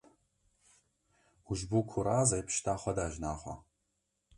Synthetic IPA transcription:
uʒbuːkʰʊɾaːzɐjpʰʃtʰaːχʷɐdaːʒnaːχʷɐ̰

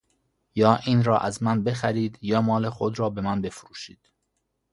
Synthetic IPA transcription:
jɒːʔiːnɾɒːʔæzmænbe̞xæɾiːd̪jɒːmɒːlexod̪ɾɒːbe̞mænbe̞fɾuːʃḭːd̪̥

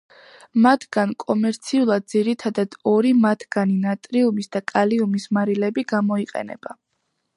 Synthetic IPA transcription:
mat̪ʰɡankʼɔmɛɾt̪sʰiulˠad̪̚d̪ziɾit̪ʰad̪ad̪̥ɔɾimat̪ʰɡ̥aninat̪ʼɾiumisd̪akʼaliumismaɾilɛbiɡamɔiqʼɛ̰nɛ̰b̥a

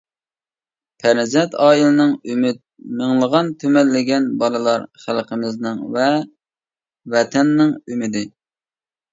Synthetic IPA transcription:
pʰæɾnɪzɛnt̪ʰɑːilˠɨnɨŋymyt̪̚meŋlˠəʁɑnt̪ʰømɛlːɪɡʲɛnbɑlˠɨlˠɑɾχælˠqʰəmɪznɨŋvɛ | vɛt̪ʰɛnːɪŋymɪd̪ɪ

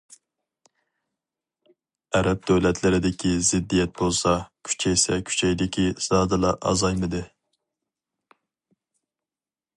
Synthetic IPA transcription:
æɾɛp̚d̪øwlɛt̪ʰlɪɾɪd̪ɪkʲʰizɪd̪ːijɛt̪̚bolˠsɑkʲʰy̥t͡ʃʰɛjsɛkʲʰy̥t͡ʃʰɛjd̪ɪkʲʰisɑːd̪ɨlˠɑʔɑ̰zɑjmɨd̪ɨ

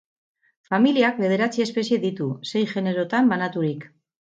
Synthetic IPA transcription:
familiak̚be̞ð̞e̞ɾat͡sie̞spe̞s̬ie̞ðit̪use̞jʝe̞ne̞ɾo̞t̪ambanat̪uɾik

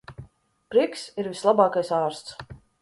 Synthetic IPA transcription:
pɾiksiɾvislˠabɑːkajsaːɾst̪s

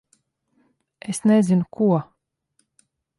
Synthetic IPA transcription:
esnɛzinukuɔ

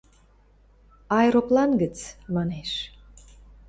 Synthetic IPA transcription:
ɑjɾoplˠɑnɡət͡smɑneʃ

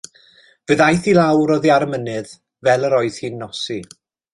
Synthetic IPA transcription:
v̥əðajθilawɾɔðiaɾmənɨð | vɛlˠəɾɔɨð̥hiːnːɔsi

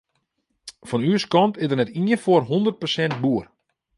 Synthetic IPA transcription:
fɔnyəskɔntɪzdərnɛtiəfoərɦondərt̚pəsɛnt̚buər

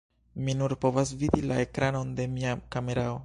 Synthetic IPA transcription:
minuɾpo̞vas̬vidilae̞kɾano̞nde̞miakame̞ɾao

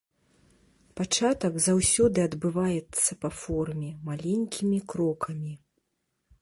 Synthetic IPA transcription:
pat͡ʂat̪ɐɡzawsʲɔd̪ɨɐd̪bɨvajɛt̪sːɐpɐfɔrmʲɛmalʲɛnʲkʲimʲikɾɔkʰɐmʲi

